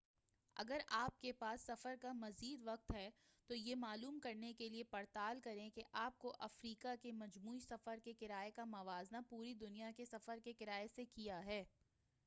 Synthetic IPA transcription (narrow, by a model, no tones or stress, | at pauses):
ɐ̰ɡəɾaːp̚kepaːsːɐfəɾkamɐziːd̪ʋɐq̚t̪ɦɛ | t̪ojemaːluːmkɐɾnekeliepɐɾt̪aːlkɐɾẽkeʔaːp̚koʔɐfɾiːkakemɐd͡ʒmuːisɐfəɾkekɪɾaːekamɐʋaːznapuːɾid̪ʊnijakesɐfəɾkekɪɾaːesekijaɦɛː